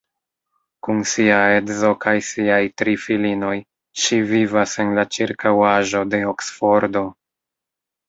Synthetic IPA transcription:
kunsiaedzo̞kajsiajtɾifilino̞j | ʃivivase̞nlat͡ʃiɾkawaʒo̞de̞oksfo̞ɾdo̞

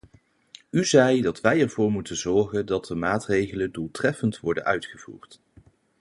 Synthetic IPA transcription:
yzɛjdɑtʋɛjɛɹv̥ʊːɹmutənzɔɹχəndɑt̚dəmaːtrejχələndulˠtrɛfəntʋɔɹdə̰nœɥtχəv̥ṵːɹt

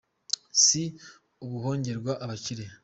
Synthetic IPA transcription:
si | uɡuho̞ːɲɟe̞ɾɡwaʔaβaciɾe̞

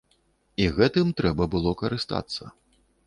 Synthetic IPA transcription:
iɣɛt̪ɨmt̪ɾɛbɐbɨlˠɔkɐɾɨst̪a̰t̪sːɐ̰

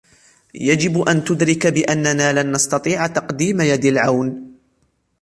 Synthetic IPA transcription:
jad͡ʒɪbʔant̪ʊd̪ɾɪkbɪʔanːanaːlanːɑst̪ɑt̪ˤiːʕt̪ɑqd̪iːmajad̪alʕawn

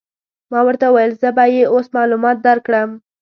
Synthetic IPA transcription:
mɑwəɾt̪auwajəlzəbajeosmɑlumɑt̪̚d̪aɾkɽəm

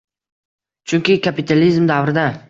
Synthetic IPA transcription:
t͡ʃʰʊŋkʲɪkʲʰapɪt̪ʰalizmd̪avɾɪd̪a

